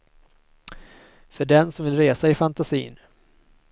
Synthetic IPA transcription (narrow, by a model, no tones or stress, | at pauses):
fœɖɛnsɔmvɪlɾeːsaɪfant̪asḭːn